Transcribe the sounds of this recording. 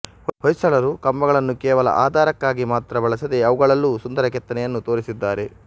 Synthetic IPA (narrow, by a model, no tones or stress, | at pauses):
ɦɔjsɐɭɐɾukɐmbɐɣɐɭɐnːukɛːʋɐlɐ̰ʔa̰ːd̪ʱaːɾɐkːaːɡimaːt̪ɾɐbɐɭɐsɐd̪e̞ɐʋuɡɐɭɐlːuːsund̪ɐɾɐkɛt̪ːɐnɛjɐnːut̪oːɾisid̪ːaːɾe̞